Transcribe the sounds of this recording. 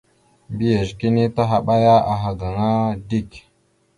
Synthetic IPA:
bi˦je˨ʒki˦ni˦ta˦ɦa˨ɓa˦ja˦a˨ɦa˨ɡa˨ŋa˦di˦˨k

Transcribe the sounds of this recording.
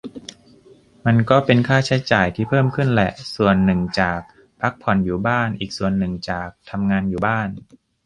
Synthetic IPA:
ma˧nkɔː˥˩pe˧nkʰaː˥˩t͡ɕʰa˦˥jt͡ɕaː˨˩jt̪ʰiː˥˩pʰɤː˥˩mkʰɯ˥˩nlɛ˨˩ʔsu˨˩ənːɯ˨˩ŋt͡ɕaː˨˩k̚ | pʰa˦˥k̚pʰɔ˨˩˦njuː˨˩baː˥˩nʔiː˨˩k̚su˨˩ənːɯ˨˩ŋt͡ɕaː˨˩k̚t̪ʰa˧mŋaː˧njuː˨˩baː˥˩n

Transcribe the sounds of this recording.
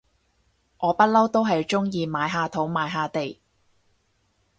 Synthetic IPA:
ʔɔː˨˧pɐ˥t̚lɐ˥wt̪o˥wɦɐ˨jt͡ʃʊ˥ŋjiː˧maː˨˧jɦaː˧t̪ʰo˨˥wmaː˨˧˥jɦaː˨˧t̪e˨j

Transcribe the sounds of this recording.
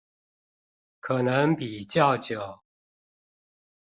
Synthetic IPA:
kʰɤ˨˩nə˧˦ŋpi˨˩t͡ɕjɑ˥˨ʊt͡ɕjo˨˩ʊ

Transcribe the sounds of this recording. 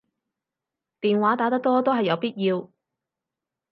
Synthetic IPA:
t̪iː˨nwaː˨˥t̪aː˨˥t̪ɐ˥k̚t̪ɔː˥t̪o˥wɦɐ˨jːɐ˨˧wpiː˥t̚jiː˧w

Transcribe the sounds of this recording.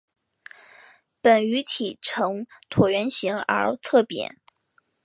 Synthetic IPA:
pə˨˩ny˧˥t̪ʰi˨˩ʈ͡ʂʰɤ˧˥ŋt̪ʰwɔ˨˩ɥɛ˧˥nɕi˧˥ŋə̰˞˧˥t͡sʰɤ˥˩pjɛ̰˧˥˦n

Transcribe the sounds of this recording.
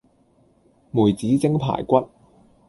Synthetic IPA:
muː˨˩jt͡siː˨˥t͡sɪ˥ŋpʰa̰ː˨˩jkʷɐ˦˥t̚

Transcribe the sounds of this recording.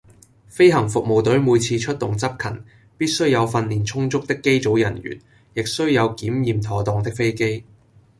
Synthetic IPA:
fe˥jɦɐ˨˩ŋfʊ˨k̚mo˨wt̪ɵ˨˥ɥmuː˨˧jt͡sʰiː˧t͡ʃʰɵ˥t̚t̪ʊ˨ŋt͡sɐ˥p̚kʰɐ̰˨˩n | piː˥t̚sɵ˥ɥjɐ˨˧wfɐ˧nliː˨˩nt͡sʰʊ˥ŋt͡sʊ˥k̚t̪ɪ˥kːe˥jt͡so˨˥wjɐ˨˩nɥy̰ː˨˩n | jɪ˨k̚sɵ˥ɥjɐ˨˧wkiː˨˥mjiː˨mt̪ʰɔː˨t̪ɔː˨˧ŋt̪ɪ˥k̚fe˥jke˥j

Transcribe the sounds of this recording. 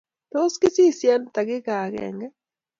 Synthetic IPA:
t̪o˦ski˦si˦˨sjɛ˦nt̪a˨ɣɪ˦ɣaː˨ɣɛ̰˨ŋɡɛ˦

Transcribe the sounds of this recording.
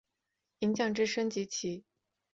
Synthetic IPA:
i˧˥ŋt͡ɕjɑ˥˩ŋʈ͡ʂɻ̩˥ʂə˥ŋt͡ɕi˧˥t͡ɕʰi˧˥

